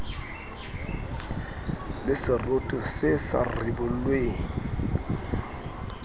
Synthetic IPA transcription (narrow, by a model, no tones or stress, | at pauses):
lɪsɪrotʼɔsɪsa̰rɪbʊlweːŋ̩